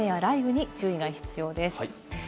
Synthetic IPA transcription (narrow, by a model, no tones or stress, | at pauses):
ẽβaɾaibɯ̟ɲ̟it͡sɨːiɡaçi̥t͡sɨjo̞ːd̪e̞sɨ̥